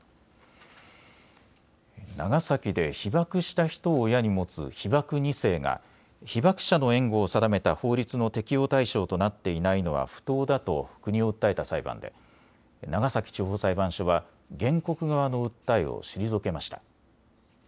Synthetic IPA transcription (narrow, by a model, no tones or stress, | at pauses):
naɡasakʲid̪e̞çibakɯ̟ɕi̥t̪açi̥t̪o̞ːjaɲ̟imo̞t͡sɨ̰çibakɯ̟ɲ̟ise̞ːŋa̰ | çibakɯ̥ɕano̞ẽ̞ŋɡo̞ːsad̪ame̞t̪aho̞ːɾʲit͡sɨno̞t̪e̞kʲijo̞ːt̪aiɕo̞ːt̪o̞nat̪ːe̞inaino̞βa̰ɸɯ̥t̪o̞ːd̪at̪o̞̰̥kɯ̟ɲ̟io̞ɯ̟t̪ːae̞t̪asaibã̰nd̪e̞̰ | naɡasakʲi̥t͡ɕoːɦoːsaibãɰ̃ɕo̞βa | ɡẽ̞ŋko̞kɯ̟ɡaβano̞ɯ̟t̪ːaio̰ɕiɾʲizoke̞maɕi̥t̪ḁ